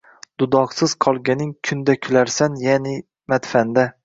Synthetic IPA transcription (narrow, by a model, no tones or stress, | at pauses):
d̪̥ʊd̪ɒqsɪz̥qʰɒlˠɡʲanɪŋkʰʊnd̪akʲʰʊlaɾsanjanɪ | mat̪fand̪a